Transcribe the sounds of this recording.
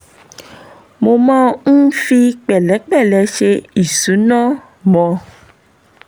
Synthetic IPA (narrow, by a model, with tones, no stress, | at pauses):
mo˧mãː˦n̩˦fi˧k͡pɛ˨lɛ˨˦k͡pɛ˦˨lɛ˨˦ʃe˧i˨sũ˨˦nã˦˨ | mɔ̃˧